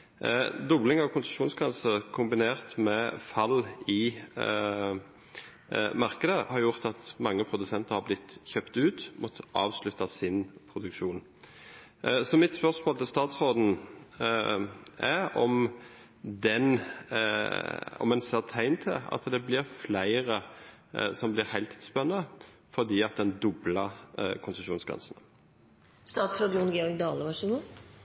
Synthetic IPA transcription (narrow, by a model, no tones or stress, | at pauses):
d̪ʊblɪŋɑʋkʰʊnsəmʃuːnskʰɑnsəʁkʰʊmbɪneːʁt̪mɛfɑlɪ | mɑʁkəd̪əhɑɾjʊʁt̪ɑt̪mɑŋːəpʰʁʊd̪ʉsɛnt̪əʁhɑblɪt̪ːçœpt̪ʉːt̪mʔɔt̪ːə̥ɑ̰ːʋslʉt̪ːɑsɪnpʰʁʊd̪ʉkʃuːn | sɔmɪt̪spœʁsmoːlt̪ʰɪlst̪ɑːt̪sʁoːd̪n̩ | æɾɔm | d̪ɛn | ɔ̰mɛnseːʁt̪ʰæɪnt̪ʰə̰ɑ̰t̪d̪ɛblɪʁflæɪʁə | sɔmblɪʁhæɪlt̪ʰi̥ːt̪spɛnːə | fɔʁd̪iːɑt̪̚d̪ɛnd̪ɔbləʁkʰʊnsəʂuːnsɡʁɛ̰nsən | st̪ɑːt̪sɾoːd̪unɡeɔɾɡd̪ɑːləʋɑʂɪə